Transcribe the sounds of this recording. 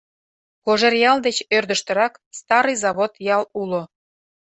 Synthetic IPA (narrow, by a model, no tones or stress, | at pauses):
koʒerjɑld̪et͡ɕørd̪əʃt̪ə̆ɾɑkst̪ɑɾɨjzɑβot̪jɑlulo